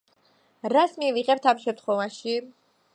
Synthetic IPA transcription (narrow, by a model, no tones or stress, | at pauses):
ɾasmiviʁɛp̚t̪ʰamʃɛmt̪χɔvaʃi